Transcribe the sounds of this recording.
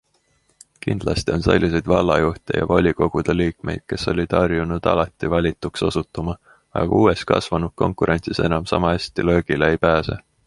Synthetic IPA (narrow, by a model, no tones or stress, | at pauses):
kind̪̥lɑst̪io̞nsḛlʲːis̬e̞jd̪̥vɑlːɑjuht̪ʲejɑ̰volʲiɡo̞ɡ̥ud̪̥eliːk̚me̞̰jd̪̥̚ke̞sːo̞lʲid̪̥ɑrjunud̪̥ɑ̰lɑt̪ːivɑlʲit̪ːˑukso̞sut̪ːˑumɑ | ɑ̰ɡ̥ɑ̰uːe̞skɑ̰svɑnud̪̥̚ko̞̰ŋkˑuɾʔe̞nʲt̪sise̞nɑmsɑ̰mɑesʲt̪ilø̞ːɡ̥ileejpæːse̞̰